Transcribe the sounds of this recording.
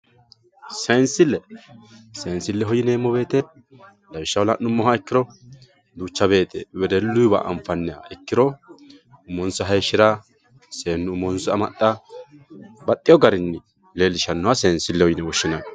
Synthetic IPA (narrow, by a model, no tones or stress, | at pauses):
sɐnsɪlːɛ | seːnsɪlːɛɦɔjɪneːmːɔbe̞ːt̪ɛ | lɐjɪʃːɐwlɐʔːʊmːɔhaɛkːɪɾɔ | d̪uːt͡ʃːɐβe̞ːt̪ɛwɛd̪ɛlːʊjba̰ʔɐ̰ɱfɐnːɛa̰ɛkːɪɾɔ | ʊmːɔnsɐɦɐjʃːɪɾa | seːnːʊʊmɔnsɔɐmɐt̪ʼːa | bɐt̪ʼːɪjɔɡɐɾɪnːɪ | leːlːɪʃɐnːʊwaseːnsɪlːɛhɔjɪnɛwɔʃːɪnɐn